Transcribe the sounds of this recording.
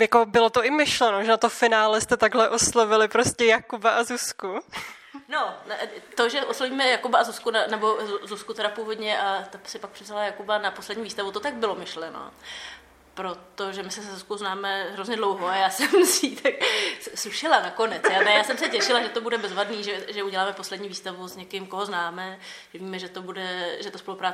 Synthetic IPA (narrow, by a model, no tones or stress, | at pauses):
jako̞bɪlot̪oʔɪmɪʃlɛnoʒɛnat̪ofɪnaːlɛst̪ɛt̪aɡɦlɛʔo̞slavɪlɪpɾo̞scɛjakubaʔazusku | nont̪oʒɛʔosloviːmɛjakubaazuskunanɛbo̞zuskut̪ɛɾapuːvo̞dɲɛʔat̪asɪpak̚pr̥ɪvzalajakubanaposlɛdɲiːviːst̪avut̪ot̪aɡ̚bɪlomɪʃlɛno̰ | pɾo̞t̪oʒɛmɪsɛsɛzuskowznaːmɛɦɾo̞zɲɛdlowɦoajaːsɛmsit̪aksuʃɪlanako̞nɛt͡sjanɛjaːsɛmsɛcɛʃɪlaʒɛt̪obudɛbɛzvadniːʒɛʒɛuɟɛlaːmɛpo̞slɛdɲiːviːst̪avuzɲɛkɪmko̞ɦoznaːmɛʒɛviːmɛʒɛt̪obudɛʒɛt̪ospo̞lupɾaːt͡sɛ